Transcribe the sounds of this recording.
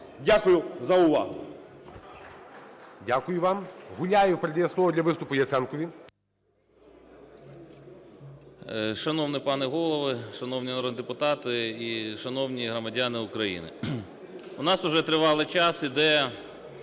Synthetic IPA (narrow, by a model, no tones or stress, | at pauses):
dʲakʊjʊzɐʊʋɑ̰ɦʊ | dʲakʊjʊʋɑmɦʊlʲajʊpɾedʲɛjɐsˠɔɦɔd̪ʲlʲɐʋɪst̪ʊpʊjɐt̪sɛnkɔʋʲi | ʃɐnɔwnɪpɑnɛɦɔlˠɔʋɪʃɐnɔwnʲiɔnɐɾɔd̪nʲd̪epʊt̪ɑt̪ɪiʃɐnɔwnʲiɦɾɔmɐdʲɑnɪʊkɾɐjḭnɪ̰ | ʊnɑsʊʒɛt̪ɾɪʋɑlˠɪt͡ʃɑsid̪ɛ